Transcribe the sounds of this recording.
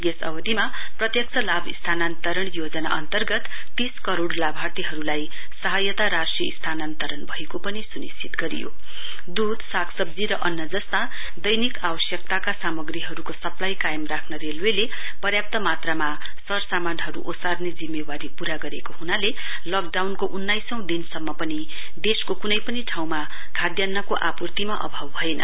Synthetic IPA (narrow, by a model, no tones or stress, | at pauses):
ɡesʌ̰wʌd̪ima | prʌt̪jʌk̚sʰʌlabist̪ʰanant̪ʌɾʌɳ̃jod͡zʌna̰ʔʌ̰nt̪ʌrɡʌt̪ː | iskʌɾoɽlabʱat̪iɦʌɾulaj | sʌɦʌjʌt̪aɾasʈriʌist̪ʰanant̪ʌɾʌnbʱʌekopʌnisunist͡sʰit̪ɡʌɾḭjo̰ | d̪ud̪ʱsaksʌb̚d͡ziɾʌʔʌnːʌd͡zʌst̪a | d̪ʌjnikawʌsjʌk̚t̪akasamʌɡriɦʌɾukosʌplajkajmrakʰnʌɾelwele | pʌrjap̚t̪ʌmat̪rama | sʌrsamanɦʌɾuʔosarned͡zimːewaɾipuɾaɡʌɾekoɦunale | lʌk̚ɖawnkoʔunːajsʌ̃w̃d̪insʌmːʌpʌni | d̪eskokunʌjpʌniʈʰaw̃ma | kʰad̪janːʌkoʔapurt̪imaʔʌ̰bʱawɦʌenʌ̰